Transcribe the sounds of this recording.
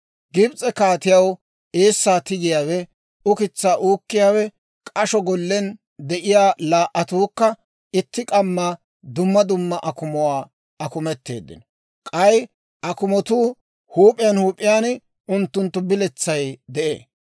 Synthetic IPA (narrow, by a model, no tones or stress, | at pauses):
ɡɪbt͡sʼɛkaːt̪ɪjɐw | eːsːaːt̪ɪɡɪjaːwɛ | ʊkɪt͡sːaːʔuːkːɪjaːwɛ | kʼɐʃɔɡɔlːɛn | d̪ɛʔɪjaːlaːʔɐt̪uːkːɐ | ɪt̪ːɪkʼɐmːɐ | d̪ʊmːɐd̪ʊmːɐʔɐkʊmɔwaː | ɐkʊmɛt̪ːe̞̰ːd̪ːɪ̰nɔ | kʼɐj | ʔɐkʊmɔt̪uː | huːpʼːɪjɐnhuːpʼːɪjaːn | ʊnt̪ːʊnt̪ːʊbɪlɛt͡sːɐjd̪ɛʔḛː